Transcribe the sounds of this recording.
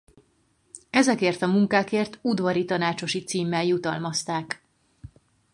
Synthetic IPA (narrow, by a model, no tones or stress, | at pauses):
ɛzɛkeːrt̪ɒmuŋkaːkeːrt̪ud̪ʋɒɾit̪ɒnaːt͡ʃo̞ʃit̪siːmːɛljut̪ɒ̰lmɒst̪aːk